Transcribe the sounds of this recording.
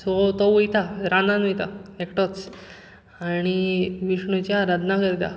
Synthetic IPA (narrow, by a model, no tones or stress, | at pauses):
sɔt̪ɔujt̪aɾananijt̪aekʈɔt͡s | aɽ̃iʋiʂɳut͡ɕjaɾəd̪ʱnakəɾt̪a̰